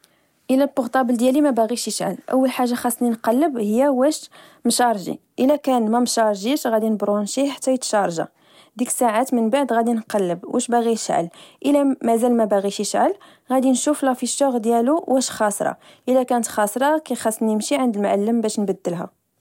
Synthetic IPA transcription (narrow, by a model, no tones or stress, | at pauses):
ʔəlætːʊɣt̪ˤɑbəld̪jælimæbaɣiʃəʃʕə̰lʔə̰wːəlħaʒːaxɑsˤːninqɑlːəbhəjːæwæʃ | mʃɑɾˤʒḭʔəlækænmæmʃɑɾˤʒiʃɣæd̪inəbɾˤunʃiħḁt̪ːæjət̪ʃɑɾˤʒa̰ | d̪iksaʕat̪mənbaʕd̪ɣæd̪inqɑlːəbwʔæ̰ʃbaɣiʃʕə̰lʔəlæmæzælmæbaɣiʃəʃʕəl | ɣæd̪inʃuflæfiʃːoɣd̪jæluwæʃxɑsˤɾˤɑ̰ | ʔəlækænət̪xɑsˤɾˤɑkæjxɑsˤːnimʃiʕənd̪əlmʕalːəmbæʃnbəd̪ːəlɦæ̰